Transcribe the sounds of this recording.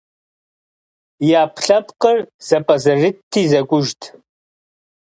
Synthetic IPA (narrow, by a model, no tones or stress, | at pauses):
jaːpʰɬɐpʰʼqərz̥ɐpʼɐzɐrɨtʰːiːzɐkʷʼʊʒtʰʼ